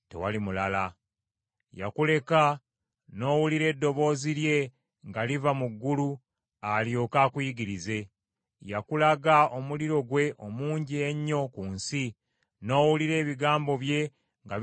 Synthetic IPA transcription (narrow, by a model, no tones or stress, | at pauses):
te̞̰walimulala | ja̰kule̞ka | no̞ːwuliɾe̞ːdːo̞βo̞ːzilje̞ | ŋɡalivamuɡːulu | aljo̞ːkaːkwiɡiɾize̞ | jakulaɡaomuliɾo̞ɡwe̞ʔomuːɲɟieɲːo̞kuːnsi | no̞ːwuliɾe̞ːβiɡaːmbo̞βje̞ | ŋɡa